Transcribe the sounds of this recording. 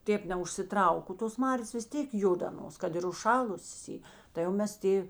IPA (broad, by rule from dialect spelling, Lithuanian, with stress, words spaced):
ˈtʲeːp nʲɛʊʃʲsʲɪˈtrɐʊk oː toːs ˈmɑːrʲeːs ʋʲɪs ˈtʲeːk ˈjʊt ɐˈnoːs ˈkɐt ɪr ʊʃˈʃɑːlˠʊsʲeːs ˈiː tɐɪ jɛʊ ˈmʲɛs ˈtʲeː